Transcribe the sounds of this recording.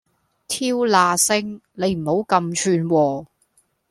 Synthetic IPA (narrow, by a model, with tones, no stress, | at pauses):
t̪ʰiː˥wlaː˧sɪ˥ŋne˨˧jm̩˨˩ho˨˥wkɐ˧mt͡ʃʰyː˧nwɔː˨˩